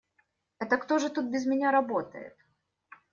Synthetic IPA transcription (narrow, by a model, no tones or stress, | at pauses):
ɛt̪əkt̪o̞ʐɨt̪ut̪̚bʲɪzmʲɪnʲaɾɐbo̞t̪ə̰jɪ̰t̪̚